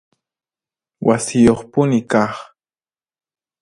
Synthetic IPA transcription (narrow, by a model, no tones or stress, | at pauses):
wʔasɪjoχpʊnɪkɑχ